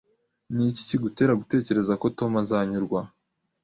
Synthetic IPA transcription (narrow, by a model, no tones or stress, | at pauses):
nici̥ciɡute̞ːɾaɡute̞ːce̞ɾe̞zako̞to̞mazaːɲuɾɡwa